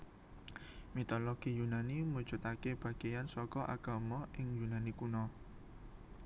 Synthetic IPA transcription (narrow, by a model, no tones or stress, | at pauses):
mit̪ɔloɡ̥ijunanimud̥d͡ʒ̥ʊ̤t̪akeb̥aɡejansɔkɔʔa̰ɡ̥amɔʔɪŋjunanikunɔ